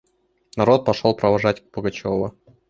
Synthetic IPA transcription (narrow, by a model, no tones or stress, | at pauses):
nɐɾo̞t̪̚pɐʂolˠpɾəvɐʐatʲbəɡɐt͡ɕovʊ